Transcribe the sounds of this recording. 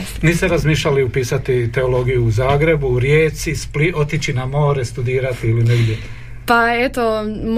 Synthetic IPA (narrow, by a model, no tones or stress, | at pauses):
niːst̪eɾazmiːʃʎʲaliupiːsat̪it̪e̞o̞lo̞ɡijuːzaːɡɾe̞buɾjeːt̪sisplio̞t̪it͡ʃinamo̞ːɾest̪ud̪iːɾat̪iilineɡd̪ʲje | paet̪om